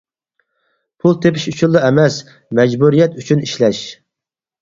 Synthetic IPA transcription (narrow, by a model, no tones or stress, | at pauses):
pʰulˠt̪ʰepɪʃyt͡ʃʰulˠːɨɛmɛs | mɛd͡ʒbuɾijɛt̪yt͡ʃʰyniʃlɛʃ